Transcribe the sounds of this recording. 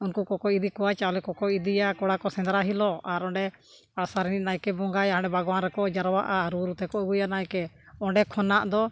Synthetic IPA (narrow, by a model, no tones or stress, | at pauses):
unkukɔkɔjid̪ikɔwat͡ʃawlɛkɔkɔjid̪ijakɔɽakɔsɛnd̪ɾaɦilɔaɾɔ̃ɳɖɛ | asaɾɛninajkɛbɔŋɡajaɦãɳɖɛbʱaɡɔwanɾɛkɔʔd͡ʒaɾwaʔaɾuɾut̪ɛkɔʔuɡujanajkɛ | ɔɳɖɛkʰɔnaʔd̪ɔ